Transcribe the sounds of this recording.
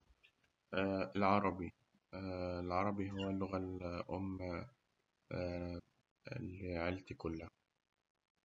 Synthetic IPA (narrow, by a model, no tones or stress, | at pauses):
alʕɑɾˤɑbi | lʕɑɾˤɑbiɦʊwalːʊɣalʔʊmːa | lʕɪlt̪kʊlːa